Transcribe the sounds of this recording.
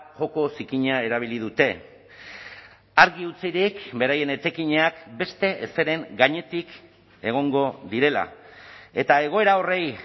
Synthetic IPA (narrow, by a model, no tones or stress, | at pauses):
ʝo̞ko̞sikiɲae̞ɾaβ̞ilið̞ut̪e̞ | aɾɣiut͡siɾikbe̞ɾaje̞ne̞t͡sekiɲeakbe̞st̪e̞ʔese̞ɾe̞ŋɡaɲe̞t̪ik | e̞ɣ̞o̞ŋɡo̞ðiɾe̞la̰e̞t̪ae̞ɣ̞o̞e̞ɾao̞re̞j